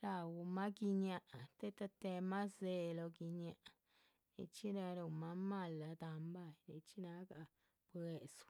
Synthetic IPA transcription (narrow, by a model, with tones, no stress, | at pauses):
ɾa˧˨wu˧mã˦ki˧ɲã˧ʔa˨t̪e˦t̪a˧t̪e˧mã˦ze˧lo˧ki˧ɲã˧ʔʔa˨ | ɾḛ˧t͡ʃi˦nã˧ɾu˧˨mã˧˦mã˧˨la˨˧t̪a˧mba˦˧ne˧t͡ʃi˦nã˧˦ka˧ | pwe˨su̥˧